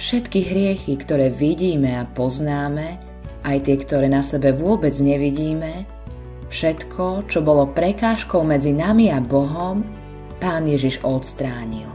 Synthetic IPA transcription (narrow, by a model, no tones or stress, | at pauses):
fʃɛt̪kiɦɾɪɛxikt̪ɔɾɛːʋiɟiːmɛapɔznaːmɛ | ʔajt̪ɪɛkt̪ɔɾɛːnasɛbɛʋʊɔbɛd͡zɲɛʋiɟiːmɛ | fʃɛt̪kʰɔt͡ʃɔbɔlɔpɾɛkaːʃkɔʊmɛd͡zinamiabɔɦɔm | paːnjɛʒiʒɔt̪st̪ɾaːɲḭl